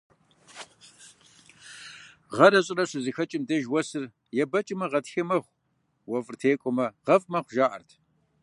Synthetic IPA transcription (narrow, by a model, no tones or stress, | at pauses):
ʁɐɾɐɕʼɪrɐɕʷɨzɨxɐt͡ʃʼɪmdɐʒwɔsɨr | jɛbɐt͡ʃʼɪmɐʁɐtxɐmɐχʷ | wɐfʼɨrtʰeːkʷʼɔmɐʁɐfʼmɐχʷʒaːʔɐ̰rtʰ